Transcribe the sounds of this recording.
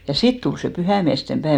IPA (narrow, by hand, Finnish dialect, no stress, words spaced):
jɑ sit tul se pyhæˑmiæste pæeʋ